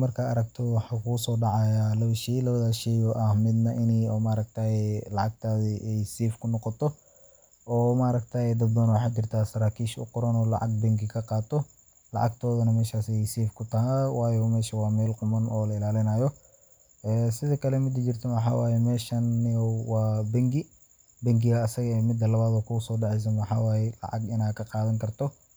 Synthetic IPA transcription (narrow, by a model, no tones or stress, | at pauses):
mɐrkʰɐːɾɐɡt̪ʰɔwɑħɑkʰusɔːɖɑʕɑjaːlɐβʃɛjlɐβɐðaːʃɛjɔʔɐhmɪd̪nɐʔɪnɛjɔmaɾɐk̚t̪ʰaːjlɑʕɑɡt̪ʰaːðiʔɛjsɛːfkʰʊnɔqɔt̪ʰɔ | ɔːmaɾɐɡ̚t̪ʰaːjɛd̪ɐdbɐnwɑħaːt͡ʃɪrt̪ʰaːsɐɾaːkʰiːʃʊ̰qʊɾɐnɔːlɑ̰ʕɑ̰ɡ̚b̪ɛŋkɪkʰɐqɑːt̪ʰɔ | lɑ̰ʕɑ̰ɡt̪ʰɔːðɐnɐmɛːʃaːsɛjsɛːfkʰʊt̪ʰɐɦɐwɑːjɔmɛːʃɐwɑːmɛːlqʊmɐnʔɔːlɐɪlaːlɪnɐːjɔ | ʔɛːsɪðɐkʰɐlɛmɪd̪ɐt͡ʃɪrt̪ʰɐwɑħɑ̰ːwaːjɛmɛːʃɐnːɪwɑːbɛŋɡɪ | bɛŋɡɪɣɐːsɐɣɛmɪd̪ːɐlɐβaːd̪ɔːkʰʊʊsɔːɖɛʕɛjs̬ɐnwɑħɑːwaːjɛlɑ̰ʕɑ̰ɡɪnaːkʰɐqɑːðɐŋkʰɐrt̪ʰɔ